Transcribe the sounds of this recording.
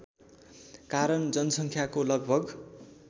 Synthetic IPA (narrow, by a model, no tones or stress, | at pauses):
kaɾʌnd͡zʌnʌsʌŋkʰjakolʌɡbʱʌɡ